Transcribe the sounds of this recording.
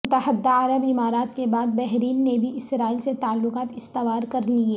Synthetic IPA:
mʊt̪əɦəd̪ːaɐɾəbɪmaːɾaːt̪̚kebaːd̪̚bɛɦɾiːnːebʱiʔɪsɾaːiːlset̪aːlːʊqaːt̪ɪst̪ɪʋaːɾkɐɾlieː

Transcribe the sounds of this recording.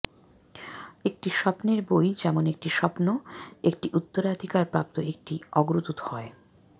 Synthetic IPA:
ek̚ʈiʃɔpneɾbojd͡ʑɛmonek̚ʈiʃɔpnoekʈiʔut̪ːoɾad̪ʱikaɾpɾap̚t̪oek̚ʈiɔɡɾut̪ut̪hɔe

